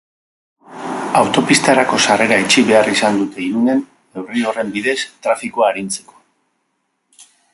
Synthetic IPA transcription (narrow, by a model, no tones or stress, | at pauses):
awt̪o̞pist̪aɾako̞sare̞ɾaet͡ʃiβe̞arisand̪ut̪e̞iɾune̞n | e̞wrio̞re̞mbiðe̞st̪ɾafikoaːɾint͡se̞ko̞̥